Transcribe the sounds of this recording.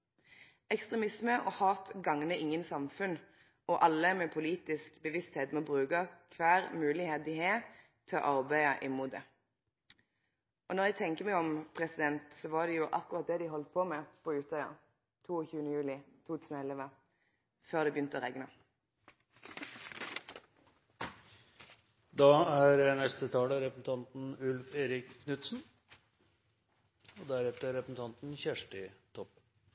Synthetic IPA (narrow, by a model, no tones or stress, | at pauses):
ɛkst̪ʁɛmɪsməʔɔːhɑːt̪ɡɑŋnəʔɪŋːənsɑmfʉn | ɔʔɑlːəmɛpʰʊliːt̪ɪskbəʋɪst̪heːt̪mɔbʁʉːkɑkʰʋæːʁmʉːlɪheːt̪̚d̪ɪɦeː | t̪ʰɪɔ̰ʔɑʁbæɪɑʔɪmːuːt̪̚d̪ɛ | ʔɔnɔʁjæɡ̚t̪ʰɛŋkəmæɪɔmpʰʁɛsɪd̪ɛnt̪sɔʋɑd̪ɛjʊʔɑ̰kʊʁɑt̪̚d̪ɛd̪ɪɦɔlt̪̚pʰɔmɛpʰɔʉːt̪œʏə̰ʁ | t̪ʰuːɔçʉːənəjʉːlɪt̪ʰuːt̪ʰʉːsnəɛləʋə | føːʁd̪ɛbʏnt̪əɔʁɛɡnə | d̪ɑːæɾnɛst̪ət̪ʰɑːləɾɛpəsn̩t̪ʰɑnt̪nʉlfeːɾɪkkʰnʉt̪sn̩ | ɔd̪æɾɛft̪əɾɛpəsn̩t̪ʰɑnt̪nçæʂʈɪt̪ʰɔpː